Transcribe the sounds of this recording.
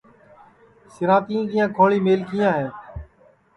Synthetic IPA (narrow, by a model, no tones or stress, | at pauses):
sɪɾãːt̪ĩːkiːjãːkʰoːɭiːmeːlkiːãːɦẽː